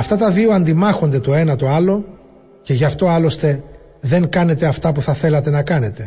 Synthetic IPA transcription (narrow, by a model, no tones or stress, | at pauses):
ɐft̪ɐt̪ɐðio̞ɐnd̪imɐxo̞nd̪e̞t̪o̞e̞nɐt̪o̞ɐlo̞ | ce̞ʝɐft̪o̞ɐlo̞st̪e̞ | ðe̞ŋkɐne̞t̪e̞ɐft̪ɐpuθɐθe̞lɐt̪e̞nɐkɐne̞t̪e̞